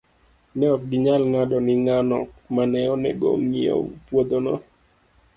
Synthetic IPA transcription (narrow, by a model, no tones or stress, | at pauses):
nɛɔk̚ɡɪɲalŋadɔnɪŋanɔkmanɛɔnɛɡo̰mɲio̰pwod̪onɔ̰